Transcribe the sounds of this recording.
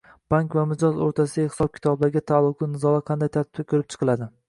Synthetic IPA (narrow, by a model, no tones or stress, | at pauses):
b̥aŋkvamɪd͡ʒɒzo̰ɾt̪ʰasɪhsɒb̚kʲʰɪ̥t̪ʰɒblaɾɡʲat̪ʰalˠːʊqlˠɪnɪzɒlˠaqʰɑnd̪ajt̪ʰaɾt̪ɪ̥kʲakʲʰɵɾɪp̚t͡ʃʰɨ̥qʰɨlˠad̪ɪ